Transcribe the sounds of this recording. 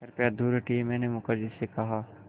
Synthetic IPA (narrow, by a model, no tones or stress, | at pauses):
ɐɾpjad̪uːɾʈimɛ̃ːnemʊkəɾd͡ʒɪsekɐɦaː